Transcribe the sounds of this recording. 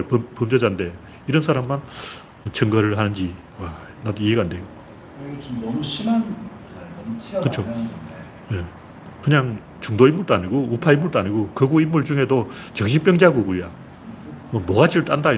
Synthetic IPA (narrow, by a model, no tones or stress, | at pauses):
ɭppʌmd͡ʑʌd͡ʑande̞ | iɾʌnsʰaɾamːan | ʌt͡ɕʰʌŋɡʌɾɯɭɦanɯnd͡ʑi | a | nadoieɡaːndejo | ɕn | kɯt͡ɕʰo | je | kɯɲaŋ | t͡ɕuŋdoimːuɭt͈oaɲiɡoupʰaimːuɭtoaɲiɡokɯɡuimːuɭd͡ʑuŋɦe̞dot͡ɕʌkɕ̬ʰip͈jʌŋd͡ʑeɦaɡuɡuja | mʌmʌɡad͡ʑʰiɾɯɭt͈anda